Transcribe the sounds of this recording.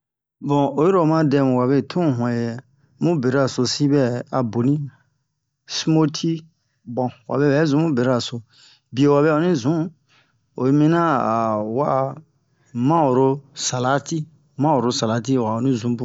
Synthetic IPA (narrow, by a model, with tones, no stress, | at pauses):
bɔ̃˨o˨jo˦ɾo˨mã˦dɛ˧˨mũ˨wa˨βe˦˨tʰũ˦˨ɦɔ̃˨ɛ˨ | mũ˦be˨ɾa˨so˧si˦bɛ˦a˨bo˨nĩ˦ | smo˦tʰi˦ | bɔ̃˨wa̰˨bɛ˦bɛ˨˦zũ˨˦mũ˦be˨ɾa˨so˨ | bi˨e˨wa˨bɛ˦˨o˨nĩ˦zũ˨˦ | o̰˨˦mĩ˦nã˦a˨wa˦˨ | mã˦o˨ɾo˦sa˨la˦ti˦ | mã˦wo˨ɾo˦sa˨la˨˦ti˦˨wa˨o˨nĩ˦zũ˨˦bũ˦